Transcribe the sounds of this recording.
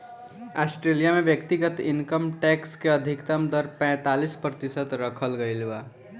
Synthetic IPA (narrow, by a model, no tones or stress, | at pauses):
asʈɾelijamebjəkt̪iɡət̪inkəmʈɛkskeəd̪ʱikt̪əmd̪əɾpɛ̃ːt̪alispɾət̪isət̪ɾəkʰəlɡəɪlba